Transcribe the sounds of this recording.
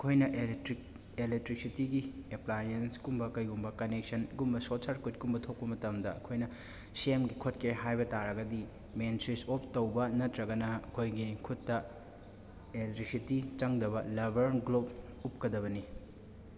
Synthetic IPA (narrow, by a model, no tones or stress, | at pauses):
ɐkʰojnɐʔ | elek̚tɾik̚sitiɡieplajenskumbɐkɐjɡumbɐkɐnek̚sɐnɡumbɐsosʰaɾkut̚kumbɐtʰok̚pɐmɐtɐmdɐːkʰojnɐ | semɡikʰotkʰeɦajbɐtaɾɐɡɐdi | mensɾisop̚ʰtɐwbɐnɐtɾɐɡɐnɐɐkʰojɡikʰutːɐ | etɾisitit͡ʃɐŋdɐβɐlɐbɐɾnɡlob̚ | up̚kɐdɐβɐni